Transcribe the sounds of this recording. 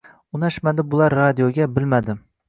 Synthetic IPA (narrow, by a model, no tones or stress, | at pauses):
ʊnaʃmad̪ɪbʊlˠaɾːad̪ijoɡʲabɪlmad̪ɪ